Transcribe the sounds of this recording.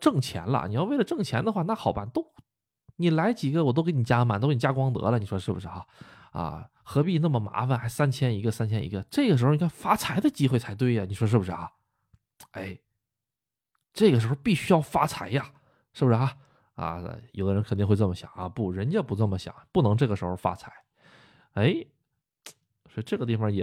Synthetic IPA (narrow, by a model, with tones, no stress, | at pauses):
ʈ͡ʂɤ˥˩ŋt͡ɕʰjɛ̰˧˥nlə̰˧ni˨˩jwe˥˩ɪlə˩ʈ͡ʂɤ˥˩ŋt͡ɕʰjɛ˧˥nd̪ə˧xwa˥˧na˥˩xɑ˨˩ʊpa˥˩nt̪o˥ʊ | ni˨˩la˧˥ɪt͡ɕi˨˩ɡə˧wɔ˨˩t̪o˥ʊke˧˥ni˨˩t͡ɕja˥˧ma˨˩nt̪kni˨˩ja˥kwɑ˥ŋt̪ɤ̰˧˥lə˨ni˨˩ʂwɔ˥ʂɻ̩˥˩bṵ˨˩ʂɻ̩˥˩xa˧ | ɐ̰˧ | xɤ˧˥pi˥˧na˥˩mə˩ma̰˧˥fə˧nxa˧˥ɪsa˥nt͡ɕʰjɛ˥ni˧˥ɡə˧sa˥nt͡ɕʰjɛ˥nḭ˧˥ɡə˧ʈ͡ʂɤ˥˩ɡə˩ʂ̬ɻ̩˧˥˧ni˩kʰfa˥t͡sʰa˧˥ɪd̪ə˧t͡ɕi˥xwe˥˩ɪt͡sʰɪt̪we˥˩ɪa˩ni˨˩ʂwɔ˥ʂ̬ɻ̩˥˩bu˩ʂɻ̩˥xa̰˧˩ | e˥˩ɪ | ʈ͡ʂɤ˥˩ɡə˩ʂɻ̩˧˥xo˥˧ʊpi˥˩ɕy˥jɑ˥˩ʊfa˥t͡sʰa˧˥ɪja˥˧ | ʂɻ̩˥˩bʊʂɻ̩˥xa˧ | ɐ̰˧˩jo˨˩ʊd̪ə˦ɻə˧˥nkʰt̪i˥˧ŋxwe˧t͡sə˥˩mə˩ɕjɑ̰˨˩˦ŋa̰˧pu˥˩ɻə˧˥nt͡ɕɛ˥˩pu˧˥nə˥˩mə˩ɕjɑ̰˨˩˦ŋpu˥˩nɤ˧˥ŋʈ͡ʂɤ˥˩ɡə˩ʂɻ̩˧˥xo˥˧ʊfa̰˥t͡sʰa˧˥ɪ | e˥˩ɪ | swʈ͡ʂɤ˥˩ɡə˩t̪̬i˥˩fɑ˨˩ŋjɛ˨˩